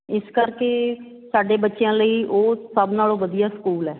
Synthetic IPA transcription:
ɪskəɾkeː | saːɖeːbətːʃejãːləiːʔoːsəbnaːlõːʋəd̪ijaːsə̥kuːlɛː

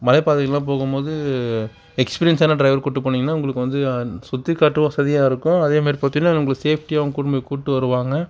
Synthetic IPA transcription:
mɐlɐɪpaːðɯɣɐlːãːp̬oːɣɯmpoːðɯ | ɛkspiːɾɪɐnsaːnɐɖɾɐɪʋɐɾkuːʈːɯpːɐɳːɪŋɡɐnːaːʊŋɡɐɭɯkːɯʋɐnd̪ɯsʊt̪ːikːaːʈːɯʋɐ̃sɐðɪjaːɪɾɯkːʊ̃ɐðeːmaːɾipɐt̪ːɪnːaːnʊŋɡɐɭseːfʈiaːʋɐŋɡɐkʊɽmbɐkuːʈːɯʋɐɾɯʋaːŋɡɐ

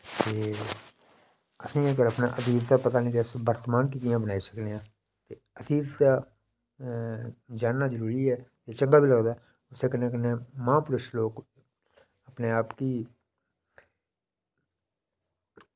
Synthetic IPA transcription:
t̪eː | əsĩːɛkəɾəpna̰ːʔəd̪iːd̪t̪aːpət̪aːnĩːk̪eəsbəɾt̪maːnkiːk̬ɪjãːbənaːisəkneːãː | t̪eːəd̪iːd̪t̪aː | d͡ʒaːnːaːzəɾuːɾiːɛːt̪eːt͡ʃəŋɡaːbʱiːləɡd̪aɛː | ʊseːkənːẽːk̬ənːẽːmãːpʊɾʊʃloːk | əpneːaːpkiː

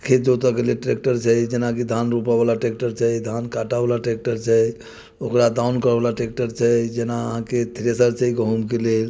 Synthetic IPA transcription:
kʰed͡ʒot̪əkeleʈɾek̚ʈəɾt͡ʃʰɛd͡ʒenakid̪ʱanɾupabalaʈɾek̚ʈəɾt͡ʃʰɛd̪ʱankaʈabalaʈɾek̚ʈəɾt͡ʃʰɛ | okɾad̪aunkəɾbalaʈek̚ʈəɾt͡ʃʰɛd͡ʒenaəɦãket̪ʰɾesəɾt͡ʃəikɦomkelel

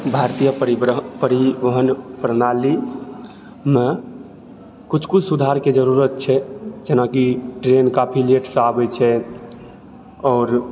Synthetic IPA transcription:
bʱaɾt̪ijəpɾipəɾibəɦənpɾənali | me | kut͡ʃʰkut͡ʃʰsud̪ʱaɾked͡ʒəɾuɾət̪̚t͡ʃʰɛd͡ʒenakiʈɾenkapʰileʈsabɛt͡ʃʰɛ | ɔːɾ

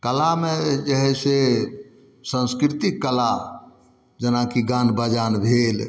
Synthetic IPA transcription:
kəlamed͡ʒəɦɛse | sə̃nskɾit̪ikːəla | d͡ʒənakiɡãnbəd͡ʒanbʱel

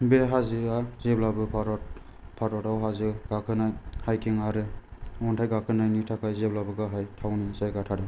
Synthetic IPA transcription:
beɦazɯazeblabɯpʰaɾɔt | pʰaɾɔtawɦazɯɡ̥akʰɯnajhajkʰiŋaɾɯɔntʰajɡakʰɯnajnitʰakʰajzeblabɯɡaɦajtʰawnizajɡatʰadɯ

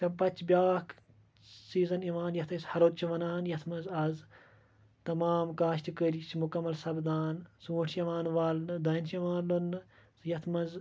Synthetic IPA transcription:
t̪ɐpɐt͡ʃbjaːkʰ | siːzɐniʋaːnjɐt̪ʰɐsʲhɐɾot̪̚t͡ʃʰiʋɐnaːnjɐt̪ʰmɐzɐz | t̪ɐmaːmkaːʃt̪ikəɾit͡ʃimukɐmːɐlsɐbd̪aːnsuːʈʰjiʋaːnʋaːlnd̪ɐnsjiʋaːnlonːɨsjɐt̪ʰmɐz

